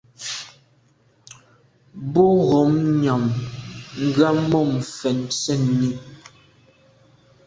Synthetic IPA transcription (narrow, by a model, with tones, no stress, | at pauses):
bu˦ɣɔ˨˦mɲɔ˨mŋ̩˨ɡɰa˦mɔ˦˨m̩˨fɛ˨nsɛ˦˨n˨ni˦˨